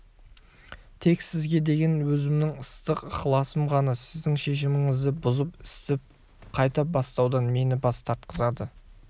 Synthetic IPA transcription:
t̪ʰe̞ksɪzɡʲe̞d̪e̞ɡʲe̞nwɵzɪmnɪŋəst̪əqχlˠɑsəmʁɑnəsɪzd̪ɪŋʃe̞ʃ̬ɪmɪŋɪzd̪ɪbʊzəpɪst̪ɪp̚ | qʰɑjt̪ɑbɑst̪ɑwd̪ɑnme̞nɪbɑst̪ʰɑɾt̪qəzɑd̪ə

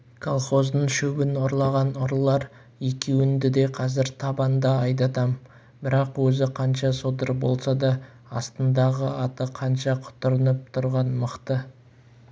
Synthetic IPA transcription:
kʰolˠχo̞zd̪əɴʃɵbɪnoɾlˠɑʁɑnʊɾlˠɑɾ | jekʲʰewɪnd̪ɪd̪e̞qʰɑzɪɾt̪ʰɑbɑnd̪ɑɑjd̪̬ɑt̪ɑm | bɪɾɑqwɵzɪqʰɑnʃɑsod̪əɾbo̞lˠsɑd̪ɑ | ɑst̪ənd̪ɑʁəɑt̪əqʰɑnʃɑqʰʊ̥t̪ʊɾənəp̚t̪ʰʊɾʁɑnməqt̪ə

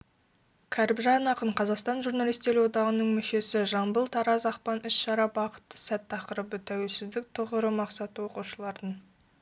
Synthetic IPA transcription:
kʲʰæɾɪbʒɑnɑqəɴqʰɑzɑqst̪ɑnʒurnɑlˠijst̪e̞ɾwo̞d̪ɑʁənəɴmʏʃe̞sɪʒɑmbəlˠt̪ʰɑɾɑzɑqpɑnʏsʃɑɾɑbɑqə̥t̪ːə̥sæt̪ʰːɑqəɾəbət̪ʰæwe̞lsɪzd̪ɪk̚t̪ʰʊʁəɾəmɑqsɑt̪əwo̞quʃəlˠɑɾd̪ən

